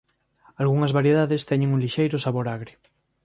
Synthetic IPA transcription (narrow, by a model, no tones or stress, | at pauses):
alɣuŋɐzβaɾjeðaðest̪ɛɲeŋuŋliʃejɾʊsaβoɾaɣɾɪ